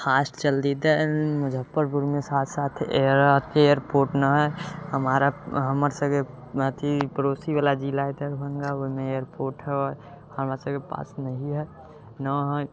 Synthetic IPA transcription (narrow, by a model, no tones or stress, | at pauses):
xʰaːst͡ʃəld̪id̪ɛməd͡ʒʱəpːəɾbuɾmesaːt̪ʰsaːt̪ʰeəɾat̪ʰeejəɾpoːɾʈnəɦɛɦəmaːɾaɦəməɾsəɡe | ət̪ʰipəɾoːsibalad͡ʒilaːjt̪eɾbʱənɡaoimẽejəɾpoːɾʈɦɛɔ | həmɾasəɡepa̰ːsnəɦĩɦɛ | nɔɦ